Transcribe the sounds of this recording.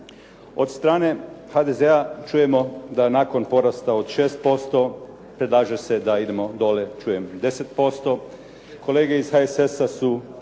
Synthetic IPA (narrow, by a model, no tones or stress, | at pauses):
o̞d̪st̪ɾaːne̞xad̪ezeat͡ʃuːje̞mo̞d̪anako̞npo̞ɾast̪aod̪ʃeːst̪̚po̞st̪o̞ | pɾed̪lˠaːʒese̞d̪aid̪e̞mo̞d̪o̞le̞t͡ʃuːjemd̪e̞set̪̚po̞st̪o̞ | ko̞leːɡe̞izxaesesasu